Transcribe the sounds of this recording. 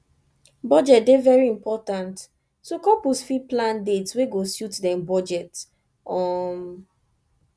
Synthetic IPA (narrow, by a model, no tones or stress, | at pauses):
bɔd͡ʒɛt̚devɛɹiĩmpɔtãnt | sokɔpusfiplãndetsweɡosjutdɛ̃mbɔd͡ʒɛt | ɔm